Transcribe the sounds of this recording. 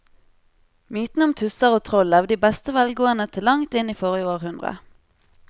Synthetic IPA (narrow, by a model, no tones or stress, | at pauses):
myːt̪n̩əʊmt̪ʰʉsɑʁoːt̪ʰʁɔlɑʋd̪iːbɛst̪əʋɛlɡoːənət̪ʰɪlːɑŋt̪ɪniːfɔʁɪəoːʁhʉnd̪ʁə̰